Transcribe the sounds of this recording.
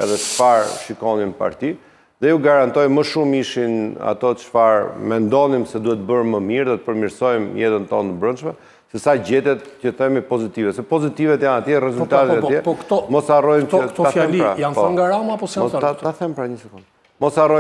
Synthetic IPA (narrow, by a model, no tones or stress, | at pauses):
ɛ̰ðɛt͡ʃfaɾʃikɔnimpa̰ɾt̪i | ðɛjuɡaɾant̪ɔjməʃumiʃina̰t̪ɔt̪ət͡ʃfaɾmɛnd̪ɔnimsɛd̪uhɛt̪əbəɾməmiɾðɔt̪ə̥pəɾmiɾsɔjmjɛt̪ənt̪ɔnt̪əbɾənʃmɛ | sɛsaɟɛt̪ɛt̪cəθɛmipɔzit̪ivɛsɛpɔzit̪ivɛt̪janat̪jɛrɛzut̪at̪ɛt̪ajɛɛpɔɔmɔsarɔjmɔaaɛmɾajanpɔɡaɾamapɔmɔt̪aaθɛmpɾaɲəsɛkund̪ | mɔsarɔ